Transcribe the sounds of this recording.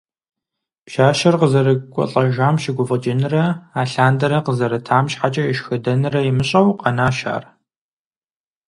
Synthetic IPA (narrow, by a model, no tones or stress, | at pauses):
pʃaːʃɐrqəzɐɾɨkʷʼɔ̰ɬʼɐʒaːmʃɪɡʷʊvɐd͡ʒɪnɨrɐaːɬaːndɐɾɐqəzɐɾɐtʰaːmɕħat͡ʃʼɐɪʃxɨdɐnɨrɐjɪmɨɕʼɐwqɐnaːʃa̰ːr